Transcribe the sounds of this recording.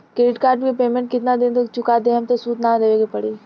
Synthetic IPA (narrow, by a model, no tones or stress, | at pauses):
kɾeːɖɪʈkaːɾʈkepeːmɛ̃ɳʈ̚kɪt̪nad̪ɪ̃nt̪okt͡ʃʊkad̪eɦɐ̃mt̪osuːt̪naɾeːʋeːɡepɐɽiː